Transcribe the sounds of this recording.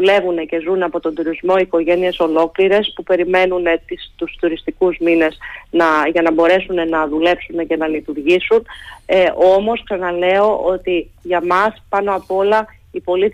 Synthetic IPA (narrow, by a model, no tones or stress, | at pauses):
ule̞vune̞ce̞zunɐpo̞t̪ond̪uɾizmo̞iko̞ʝe̞nie̞so̞lo̞kliɾe̞spupe̞ɾime̞nunet̪ist̪ust̪uɾist̪ikuzmine̞znɐʝɐnɐbo̞ɾe̞sune̞nɐðule̞psune̞ce̞nɐlit̪uɾʝisunʔo̞mo̞sksɐnɐle̞o̞ʔo̞t̪iʝɐmɐspɐno̞ɐpo̞lɐ | ipo̞lit̪